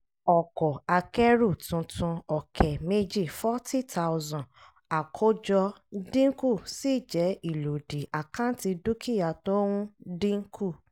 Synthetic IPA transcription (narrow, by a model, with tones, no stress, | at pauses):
ɔ˨kɔ˨a˧kɛ˦ɾu˦˨tũ˧tũ˧ɔ˨kʰɛ˨me˦d͡ʒi˦˨fɔ˦tʰi˦tʰa˧wzɔ̃˨ | a˨kʰo˦d͡ʒɔ˧dĩ˦ŋ˦ku˦˨si˦˨d͡ʒɛ˨˦i˦˨lo˨di˨a˨kã˦ti˧du˦kʰi˦ja˧˨to˦wũ˦dĩ˦ŋ˦kʰu˦˨